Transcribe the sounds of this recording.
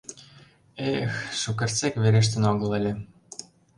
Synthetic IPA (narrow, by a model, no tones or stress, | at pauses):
exʃukert͡sekβeɾeʃ̬t̪ə̆noɣɤ̆lə̆lʲĕ